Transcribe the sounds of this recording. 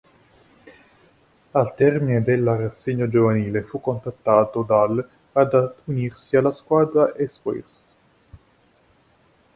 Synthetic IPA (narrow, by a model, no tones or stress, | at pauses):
alt̪ɛrmined̪elːarasːeɲːod͡ʒovaniːlefukːont̪at̪ːaːt̪od̪al | ad̪aunirsialːaskwaːd̪ɾaʔespoḭrs